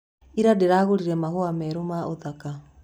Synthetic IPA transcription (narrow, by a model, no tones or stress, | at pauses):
iɾadeɾaːɣoɾiɾɛmahoamɛɾomaʔoðaka